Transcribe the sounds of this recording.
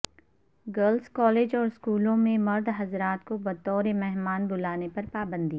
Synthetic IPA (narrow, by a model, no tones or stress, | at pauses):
ɡəlskɔːleːd͡ʒɔːɾskuːlõmẽmɐɾd̪ʱɦɐzɾaːt̪kobɐt̪ɔːɾemɛɦmaːnbʊlaːnepɐɾpaːbə̃nd̪i